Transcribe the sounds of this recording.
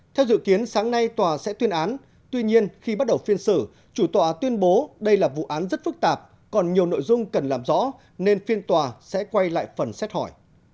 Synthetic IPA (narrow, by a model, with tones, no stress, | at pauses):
t̪ʰɛ˧wzɨ̰˧˨ki˨˦ənsaː˨˦ŋna˧jt̪waː˨˩sɛ̰˧˥t̪wi˧ənʔaː˨˦n | t̪wi˧ɲi˧ənxi˧ɓa˦˥t̚ɗə˨˩wfi˧ənsɨ̰˧˩ | t͡ɕu˧˩t̪waː˨˩t̪wi˧ənɓo˨˦ɗə˧jlaː˨˩vṵ˧˨ʔaː˨˦nzə˦˥t̚fɨ˦˥k̚t̪aː˨˩p̚ | kɔ˨˩nɲi˨˩əwno̰˧˨jzʊ˧ŋ͡mkə˨˩nlaː˨˩mzɔ̰˧˥ | ne˧nfi˧ənt̪waː˨˩sɛ̰˧˥kwa˧jla̰ː˧˨jfə˨˩nsɛ˦˥t̚hɔ˧˩j